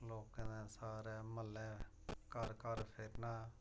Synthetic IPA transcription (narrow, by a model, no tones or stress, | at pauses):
loːkːə̃nɛ̃ːsaːɾɛːməlːɛ̃ː | kəɾkəɾpʰɪɾnaː